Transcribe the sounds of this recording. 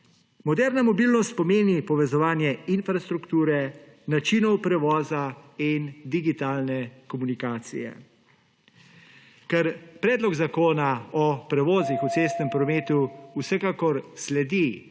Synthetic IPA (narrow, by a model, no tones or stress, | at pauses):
mɔd̪ɛːɾnamɔbilnɔst̪̚pɔmeːnipɔʋɛzɔʋaːnjɛinfɾast̪ɾukt̪uːɾɛ | nat͡ʃinɔwpɾɛʋɔːzaind̪iɡit̪aːlnɛkɔmunikaːt̪sḭjɛ̰ | kɛɾpɾɛːd̪lɔɡzakoːnaɔpɾɛʋɔːzixut̪sest̪nɛmpɾɔmeːt̪uːsɛkaːkɔɾslɛd̪i